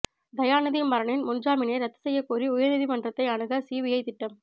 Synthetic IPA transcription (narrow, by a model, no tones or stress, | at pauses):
d̪ɐjaːnɐðimːɐɾɐɳɪnmʊnd͡ʒaːmɪneːɾɐt̪ːɯ̥sɛjːɐkːuːriʊjɐɾnɪðimɐndrɐt̪ːɐɪɐɳɯɣɐsiːʋɪjɐɪt̪ɪʈːɐm